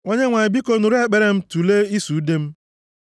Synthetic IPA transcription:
ŋo˦ɲe˦ŋʷa˨ɲɪ˨bi˦ko˦nu˨ɾe˦˨k͡pe˨ɾe˨m̩˦tu˨le˦i˦su˨u˦de˦m̩˦

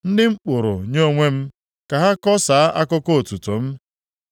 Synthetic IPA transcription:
n̩˦dɪ˦ŋ͡m̩˦k͡pʊ˨ɾʊ̰˨ɲo˦o˦ŋʷe˦m̩˦ | ka˨ɦa˦kɔ˦saː˨a˦ʔa˦kʊ˦ko˦o˨tu˨tʊ˨m̩˦

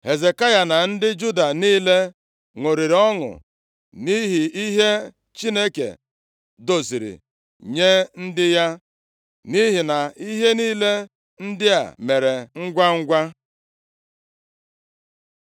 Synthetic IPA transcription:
he˨ze˨ka˦ja˨na˨n̩˦dɪ˦d͡ʒu˦da˨niː˦le˦ | ŋo˨ɾi˨ɾɔ˦ŋʊ̰˨ | ni˦ɦi˨i˦ɦe˦ | t͡ʃi˦ne˦kḛ˨ | do˨si˨ɾḭ˨ | ɲe˦n̩˦dɪ˦ja˦ | ni˦ɦi˨na˨i˦ɦe˦niː˦le˦ | n̩˦dɪ˦a̰˨me˨ɾe˨ŋ̩˦ɡʷa˦ŋ̩˦ɡʷa˦

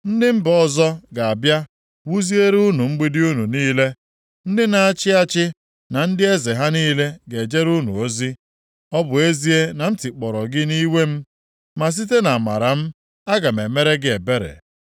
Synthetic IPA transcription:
n̩˦dɪ˦m̩˦bɔ˦zɔ˦ɡa˨a˨bja˦ | wu˦zi˦e˦ɾu˦nu˨ŋ͡m̩˦ɡ͡bi˦dɪ˦u˦nu˨niː˦le˦ | n̩˦dɪ˦na˨a˨t͡ʃɪ˦a˦t͡ʃɪ˦ | na˨n̩˦dɪ˦e˦ze˨ɦa˦niː˦le˦ɡe˨d͡ʒe˦ɾu˦nṵ˨o˦zi˦ | ɔ˦bʊ˨e˦zi˦e˦na˨n̩˦tɪ˨k͡pɔ˨ɾɔ˨ɡɪ˦ni˦we˦m̩˦ | ma˨s̬i˦te˦na˨ma̰˨ɾa˨m̩˦ | a˦ɡa˨me˨me˦ɾe˦ɡɪ˦e˨be˦ɾḛ˨

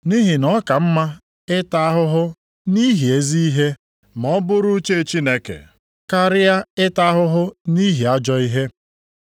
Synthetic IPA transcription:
ni˦ɦɪ˨nɔ˦ka˨m̩˦ma˦ | ɪ˦ta˦ɦʊ˦ɦʊ˦ | ni˦ɦi˨e˦zi˦i˦ɦe˦ | m˨ɔ˦bʊ˦ɾʊ˦t͡ʃe˦˨t͡ʃi˦ne˨kḛ˨ | ka˦ɾɪ˦ja˦ɪ˦ta˦ɦʊ˦ɦʊ˦ni˦ɦi˨a˦d͡ʒɔ˦i˦ɦe˦

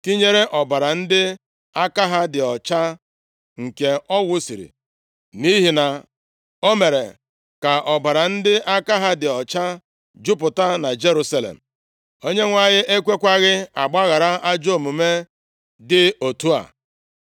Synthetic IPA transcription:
ki˦ɲe˦ɾe˦ʔɔ˨ba˨ɾa˨n̩˦dɪ˦ | a˦ka˦ɦa˦dɪ˨ɔ˨t͡ʃa˦ | ŋ̩˨ke˨ɔ˦wʊ˦si˨ɾḭ˨ | ni˦ɦi˨na˨ | o˦me˨ɾḛ˨ | ka˨ʔɔ˨ba˨ɾa˨n̩˦dɪ˦ʔa˦ka˦ɦa˦dɪ˨ɔ˨t͡ʃa˦ | d͡ʒʊ˦p̬ʊ˨ta˦na˨d͡ʒe˦ɾu˦sa˦lḛ˨m̩˨ | o˦ɲe˦ŋʷa˨ɲɪ˦ʔe˦kʷe˦kʷa˦ɣɪ˦a˨ɡ͡ba˦ɣa˨ɾa˦ʔa˦d͡ʒo˦˨mu˨me˦ | dɪ˦o˨tu˦a̰˨

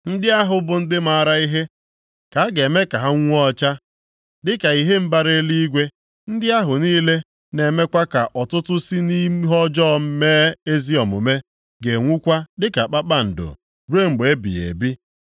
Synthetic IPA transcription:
n̩˦dɪ˦a˦ɦʊ˨bʊ˨n̩˦dɪ˦ma˦ɾa˦i˦ɦe˦ | ka˨˦ɡe˨me˦ka˨ɦa˦ŋʷ˦u˦ɔ˦t͡ʃa˦ | dɪ˦ka˨i˦ɦe˦m̩˦ba˦ɾe˦li˦i˦ɡʷe˦ | n̩˦dɪ˦a˦ɦʊ˨niː˦le˦ | ne˨me˦kʷa˦ka˨ʔɔ˨tʊ˦tʊ˦si˦ni˦ɦɔ˦d͡ʒɔ˦˨˦meː˦e˦zi˦ɔ˨mʊ̰˨me˦ | ɡe˨ŋʷu˦kʷa˦dɪ˦ka˨k͡pa˦k͡pa˦n̩˨dʊ̰˨ | ɾu˦e˦ŋ͡m̩˨ɡ͡be˨˦bḭ˨jḛ˨bi˦

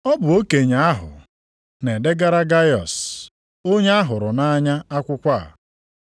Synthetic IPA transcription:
ɔ˦bʊ˨o˦ke˨ɲa˨a˦ɦʊ̰˨ | ne˨de˦ɡa˦ɾa˦ɡa˦jɔ̰˨s | o˦ɲe˦a˦ɦʊ˨ɾʊ˨na˦ɲa˦a˦kʷʊ˦kʷa̰˦˨

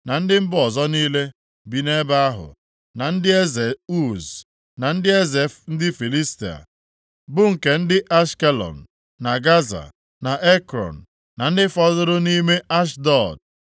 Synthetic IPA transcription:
na˨n̩˦dɪ˦m̩˦bʊ˦ɔ˨zɔ˦niː˦le˦ | bi˨ne˦ba˦a˦ɦʊ̰˨ | na˨n̩˦dɪ˦e˦ze˨u˦z | na˨n̩˦dɪ˦e˦ze˨fn̩˦dɪ˦fi˨li˦sti˨a̰˨ | bʊ˦ŋ̩˨ke˨n̩˦dɪ˦ʔa˦ʃke˦lɔ̰˨n̩˨ | na˨ɡa˦za̰˨ | na˨ʔe˦kɾɔ̰˨n̩ː˨ | a˨n̩˦dɪ˦fɔ˦zʊ˦ɾʊ˦ni˦me˦ʔa˦ʃ̬dɔ˨d̚

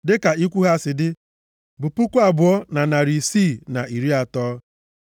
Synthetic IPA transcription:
dɪ˦ka˨i˦kʷu˦ɦa˦˨sɪ˨dɪ˦ | bʊ˨pu˦kʷa˦˨bʊ˨ɔ˦na˨na˨ɾi˨siː˦˨na˨i˨ɾi˦a˨tɔː˦

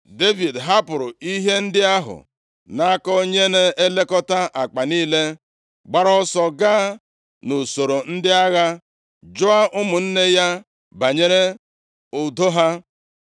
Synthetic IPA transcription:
de˦vi˨dɦa˦pʊ˨ɾʊ˨i˦ɦe˦n̩˦dɪ˦a˦ɦʊ̰˨ | na˦kɔ˦o˦ɲe˦ne˦e˦le˦kɔ˦ta˦ʔa˨k͡pa˨niː˦le˦ | ɡ͡ba˦ɾɔ˦sɔ˨ɡa˦ | no˨so˨ɾo˨n̩˦dɪ˦a˦ɣa˦ | d͡ʒo˦a˦ʔʊ˦mʊ˨n̩˦ne˦ja˦ | ba˨ɲe˦ɾe˦ | ʊ˨do˦ɦa˦

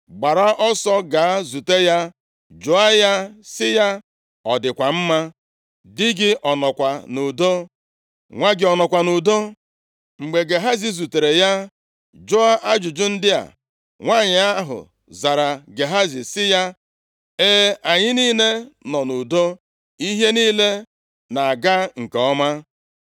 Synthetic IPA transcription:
ɡ͡ba˨ɾa˦ʔɔ˦sɔ˦ɡa˨˦zu˨te˦ja˦ | d͡ʒʊ˨a˦ja˦sɪ˦ja˦ | ɔ˨dɪ˨kʷa˨m̩˦ma˦ | dɪ˦ɡɪ˦ʔɔ˨nɔ˨kʷa˨nu˨do˦ | ŋʷa˦ɡɪ˨ɔ˨nɔ˨kʷa˨nu˨do˦ | ŋ͡m̩˨ɡ͡be˨ɡe˨ɦa˦zi˨zu˨te˨ɾe˨ja˦ | d͡ʒo˦a˦ʔa˦d͡ʒʊ˨d͡ʒʊ˦n̩˦dɪ˦a̰˨ | ŋʷa˦˨ɲɪ˨a˦ɦʊ̰˨ | za˨ɾa˨ɡe˨ɦa˦zi˨sɪ˦ja˦ | e˦a˨ɲɪ˦niː˦le˦nɔ˨nu˨do˦ | i˦ɦe˦niː˦le˦ | na˨ɡa˦ŋ̩˨ke˨ɔ˦ma˦

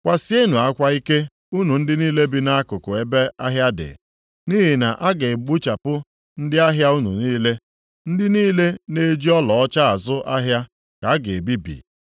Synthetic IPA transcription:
kʷa˨sɪ˦e˦nu˨a˦kʷa˦i˦ke˦ | u˦nu˨n̩˦dɪ˦niː˦le˦bi˦na˦a˦kʊ˨kʊ˨e˨be˦a˦ɦja˦dɪ̰˨ | ni˦ɦi˨na˨ʔa˦ɡe˨ɡ͡bu˦t͡ʃa˨pʊ˦ | n̩˦dɪ˦a˦ɦja˦u˦nṵ˨niː˦le˦ | n̩˦dɪ˦niː˦le˦ne˦d͡ʒi˦ɔ˦lɔ˨ɔ˦t͡ʃa˦a˨zʊ˦ʔa˦ɦja˦ | ka˨a˦ɡe˨bi˦bḭ˨

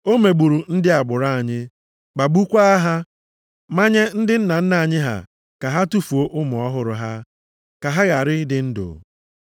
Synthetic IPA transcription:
o˦me˨ɡ͡bu˨ɾu˨n̩˦dɪ˦a˨ɡ͡bʊ˨ɾa˦a˨ɲɪ˦ | ɡ͡ba˨ɡ͡bu˦kʷa˦a˦ɦa˦ | ma˦ɲe˦n̩˦dɪ˦n̩˦na˨n̩˦na˨ɲɪ˦ɦa̰˨ | ka˨ɦa˦tu˦fu˨o˦ʔʊ˦mʊ˨ɔ˦ɦʊ˨ɾʊ˨ɦa˦ | ka˨ɦa˦ɣa˨ɾɪ˦dɪ˦n̩˦dʊ̰˨

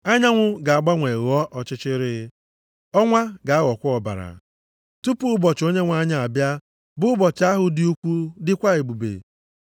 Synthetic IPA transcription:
a˦ɲa˦ŋʷʊ˦ɡa˨a˨ɡ͡ba˦ŋʷe˨ɣɔ˦ʔɔ˨t͡ʃɪ˦t͡ʃɪ˦ɾɪ˦ | ɔ˦ŋʷa˦ɡa˨a˦ɣɔ˨kʷʊ˦ɔ˨ba̰˨ɾa̰˨ | tu˦pu˦bɔ˨t͡ʃo˦ɲe˦ŋʷ˦a˦ɲa˦˨a˨bja˦ | bʊ˦bɔ˨t͡ʃa˦ɦʊ˨dɪ˦u˦kʷu˦dɪ˦kʷa˦e˨ɡ͡bu˨bḛ˨

